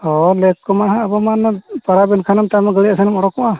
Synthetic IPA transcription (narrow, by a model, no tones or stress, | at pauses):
ɔlɛkːɔmaɦaːbɔmanpaɾabɛnkʰanamt̪amaɡəliasanamɔɽɔkɔʔa